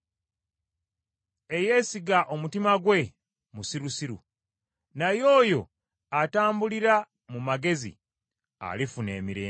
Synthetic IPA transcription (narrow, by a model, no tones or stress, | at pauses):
e̞je̞siɡaʔo̞mutimaɡwe̞ | musiɾusiɾṵ | najo̞ːjo̞ | ataːmbuliɾa | mumaɡe̞zḭ | a̰lifune̞ːmiɾḛː